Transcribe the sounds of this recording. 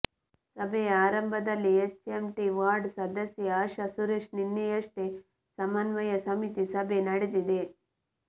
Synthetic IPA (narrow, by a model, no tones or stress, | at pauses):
sɐbʱejaːɾɐmbʱɐd̪ɐlːiet͡ʃt͡ʃemʈiʋaːɾɖsɐd̪ɐsjɐaːʃɐsuɾeʂninːijɐʂʈe | sɐmɐnʋɐjɐsɐmit̪isɐbʱenɐɽed̪id̪e